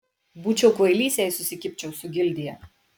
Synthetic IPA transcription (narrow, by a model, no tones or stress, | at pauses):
buːt͡ʃʲɛʊkʋɐɪlʲiːsʲjɛɪsʊsʲɪkʲɪpʲt͡ʃʲɛʊsʊɡʲɪlʲd̪ʲɪjɛ